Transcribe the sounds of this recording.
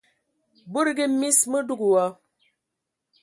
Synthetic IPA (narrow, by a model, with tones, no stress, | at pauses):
bu˦ɾɡi˦mi˦smə˦du˦ɡu˨wa˦